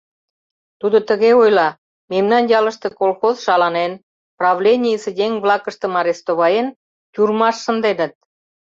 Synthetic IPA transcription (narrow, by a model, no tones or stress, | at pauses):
t̪ud̪ot̪ə̆ɣeojlɑ | memnɑnjɑlə̆ʃt̪ɤ̆kolxozʃɑlɑnen | prɑβlʲenʲijəsə̆dʲeŋβlɑkə̆ʃt̪ɤ̆mɑɾest̪oβɑjen | t̪ʲurmɑʃːə̆nd̪enə̆t̪̚